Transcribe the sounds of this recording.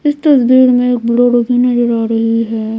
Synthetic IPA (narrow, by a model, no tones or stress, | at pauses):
ɪst̪ɐsbiːɾmẽeːk̚bɪɽoɾoɡʱiːnɐd͡ʒɪɾaːɾɐɦiɦɛː